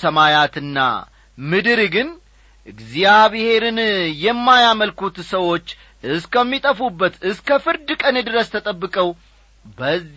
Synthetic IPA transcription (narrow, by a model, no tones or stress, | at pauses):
səmajat̪ɨnːa̰ | mɨd̪ɨɾɡɨn | ʔɨɡzijaβhe̞ɾɨnjɛmːajaməlkut̪səwo̞t͡ʃː | ʔɨskʰəmːit̪ʼəfubːət̪ɨskʰəfɨɾd̪ɨkʼənjɛd̪ɨɾəst̪ʰət̪ʼəbːɨkʼəw | bəz